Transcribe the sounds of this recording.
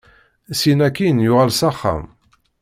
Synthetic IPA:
sinækːinjʊʁælsæχːa̰m

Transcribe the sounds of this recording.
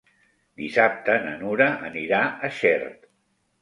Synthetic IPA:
d̪isap̚t̪ənə̰nuɾə̰ːniɾaəʃɛrt̪

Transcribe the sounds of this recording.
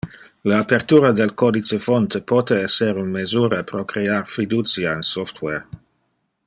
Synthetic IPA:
laapeɾt̪uːɾad̪elkɔd̪it͡ʃefont̪epɔt̪eɛseɾunmezuːɾapɾokɾearfid̪ut͡siainsɔft̪wɛr

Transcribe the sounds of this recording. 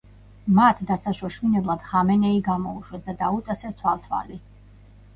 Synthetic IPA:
mat̪ʰd̪asaʃɔʃminɛblˠad̪χamɛnɛiɡamɔuʃwɛsd̪ad̪aut̪sʼɛsɛst̪ʰwalˠt̪ʰwa̰li

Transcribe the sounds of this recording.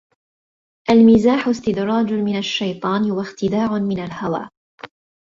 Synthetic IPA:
ʔalmɪzaːħʊst̪ɪd̪ɾˤɑːd͡ʒmɪnaʃːajt̪ˤɑːnwaxt̪ɪd̪aːʕʊmɪnalhawa̰ː

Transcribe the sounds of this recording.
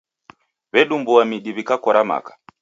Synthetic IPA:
βɛɗumbuwamiɗiβikakɔɾama̰kḁ

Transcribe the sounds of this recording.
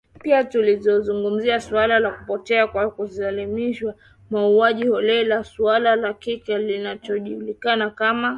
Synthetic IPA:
piatulizɔzuŋɡum̩ziaswalalakupɔtɛakwakusalimiʃwa | mauaʄihɔlɛlasualalakikalinat͡ʃɔʄulikanakama

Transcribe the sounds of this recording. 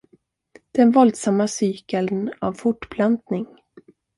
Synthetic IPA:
d̪̥ɛnvɔld̪samːasyːkəlna̰vfʊʈːpʰlant̪nɪŋ

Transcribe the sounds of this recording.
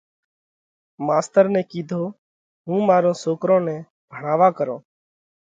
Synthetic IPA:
maːst̪əɾnɛːkiːd̪ʱoː | ɦũːmaːɾõːsoːkɾõːnɛ̃ː | bʱəɳaːʋaːkəɾõ̰ː

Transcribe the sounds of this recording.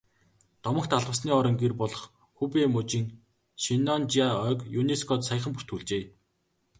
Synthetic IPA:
t̪ɔmə̆kt̪aɮwə̆sniːɔɾɞ̆ŋɡerpɔɮɞ̆χ | xupemʊt͡ɕĭŋ | ʃinɔnt͡ɕiaœːkjuneskʰɔt̪sajə̆χə̆mpu̥t̪uɮt͡ɕeː

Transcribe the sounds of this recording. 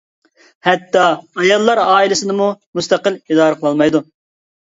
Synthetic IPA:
hɛt̪ʰːɑɑjɑlˠːɑɾɑːilɪsɪnɨmumust̪æqəlid̪ɑːɾəqʰəlˠɑlˠmɑjd̪u

